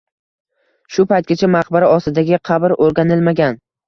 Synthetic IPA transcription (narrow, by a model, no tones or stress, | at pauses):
ʃʊpajt̪̚ɡʲat͡ʃʰamaqbaɾaɒst̪ɪd̪aɡʲɪqʰɑbɾoɾɡʲanɪlmaɡʲan